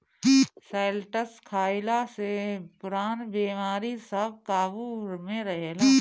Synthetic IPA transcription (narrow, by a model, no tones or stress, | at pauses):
seːlʈəskʰaːɪlasepʊɾaːnbiːmaːɾisəb̚kaːbuɾmẽɾəɦla